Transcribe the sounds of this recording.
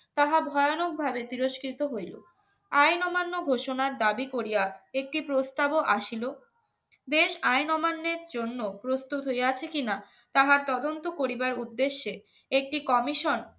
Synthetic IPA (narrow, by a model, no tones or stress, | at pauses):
t̪aɦabʱɔeanok̚bʱabet̪iɾoʃkɾit̪oɦojlo̰ | ajnɔmanːoɡʱoʃonaɾd̪abikoɾijaek̚ʈipɾost̪aboʔaʃilo | d̪eʃajnɔmanːeɾd͡ʑonːopɾost̪ut̪ɦojeat͡ɕʰekina | t̪aɦaɾt̪ɔd̪ont̪okoɾibaɾud̪ːeʃːe | ek̚ʈikɔmiʃon